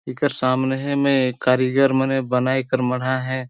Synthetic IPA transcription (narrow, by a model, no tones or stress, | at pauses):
ikəɾsaːmneɦɛmẽkaːɾiɡəɾmɛnebɐnaːikəɾməɽ̤aɦɛː